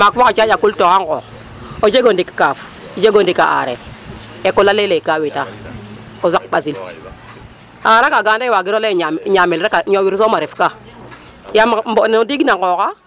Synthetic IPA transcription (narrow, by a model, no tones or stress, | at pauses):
makfokat͡ʃajakultokaŋko̰ː | od͡ʒeɡondiki̥kaf | d͡ʒeɡondika̰ʔa̰ɾḛ | ekulːalelekawita | ozak̚ɓas̬il | a̰aɾakaɡandaiwaɡiɾoleɲamilɾakaɲowiɾs̬omaɾifka | jammbonodiɡnakoka